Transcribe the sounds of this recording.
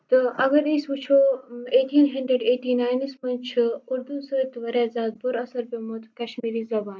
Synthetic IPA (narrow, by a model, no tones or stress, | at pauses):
t̪ɨɐɡɐɾisbut͡ʃʰoːeːʈʰiːnɦɐɳɖɾeɖeːʈiːnaːjnispɐnt͡ʃʰuɾd̪unsɐɾɐt̪ːʋɐɾaːzaːd̪̚bʊɾɐsɐɾpjomot̪kɐʃmiːɾiːzɐbaːn